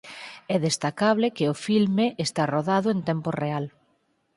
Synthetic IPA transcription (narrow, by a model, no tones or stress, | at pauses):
ɛðest̪akaβlɪkɪʊfilmeʔest̪aroðaðʊent̪ɛmpʊreal